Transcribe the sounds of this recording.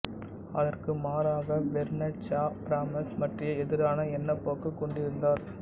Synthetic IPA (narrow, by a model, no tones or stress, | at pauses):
ɐðɐrkɯmaːɾaːɣɐʋɛɾnɐt͡ʃaːpɾaːmɐsmɐʈrɪjɐɛðɪɾaːnɐɛnːɐpːoːkɐkːɔɳɖɪɾɯnd̪aːɾ